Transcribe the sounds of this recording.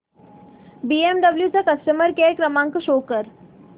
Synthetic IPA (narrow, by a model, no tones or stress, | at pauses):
biːemɖəbljut͡sakɐsʈəməɾkekɾəmãːŋkʃoːkəɾ